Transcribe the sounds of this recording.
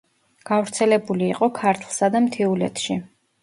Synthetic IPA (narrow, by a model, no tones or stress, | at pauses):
ɡ̥avɾt̪sʰɛlɛbuliːqʼɔkʰaɾt̪ʰlˠsad̪amt̪ʰiulɛ̰t̪ʰʃi